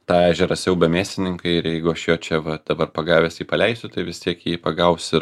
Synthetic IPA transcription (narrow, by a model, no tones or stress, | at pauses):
t̪ɑːæːʒʲɛɾɐsʲjɛʊbʲɛmʲeːsʲt̪ʲɪnʲɪŋkɐɪɪɾjɛɪɡʊɐʃjoːt͡ʃʲɛʋɐd̪̥ɐbɐrpɐɡɑːʋʲeːsjiːpɐlʲɛɪsʲʊt̪ɐɪʋʲɪst̪ʲiɛkjiːpɐɡɐʊsɪ